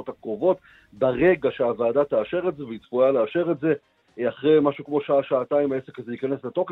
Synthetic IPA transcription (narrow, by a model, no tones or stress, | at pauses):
otakʁovo̞t | baʁe̞ɡaʃeavaːdat̪aːʃe̞ʁetzeveitfualeːʃe̞ʁetze̞ | aχʁejmaʃukmo̞ʃaaʃaːtaimaese̞kazejikanesleto̞k